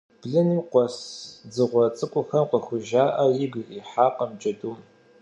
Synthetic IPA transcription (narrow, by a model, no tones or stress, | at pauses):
b̥ɮɨniqʷɔsd͡zɨʁʷɔt͡sʼɨkʷʼʊxɐmqəxʷʊʒaːʔɐjɪɡiːħaːqəmd͡ʒʼɐduːm